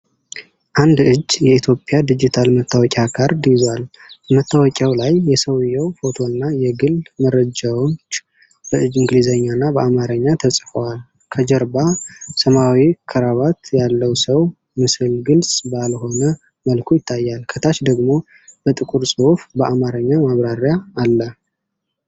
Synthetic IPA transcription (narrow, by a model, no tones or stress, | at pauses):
ʔand̪ɨd͡ʒːjɛit̪ʰjo̞pʼjad̪id͡ʒit̪ʰalmət̪ʰːawɔkʲʼakʰaɾd̪izwal | bəmət̪ːawɔkʼawlajːɛsəwjːɛwfo̞t̪ʰo̞nːajɛɡɨlməɾəd͡ʒawt͡ʃ | b̥əɨd͡ʒɨŋɡlizəɲːanːabəʔamaɾəɲːat̪ʰəsʼfəwal | kʰəd͡ʒəɾbasəmawikʰəɾaβat̪jalːəwsəw | mɨsɨlɡɨlsʼbalho̞nə | məlkʰujɪt̪ʰːajːalkʰət̪ʰaʃd̪əɡmo̞ | b̥ət̪ʼɨkʼuɾsʼɨhufbəʔamaɾəɲːamaβɾaɾjaːlːə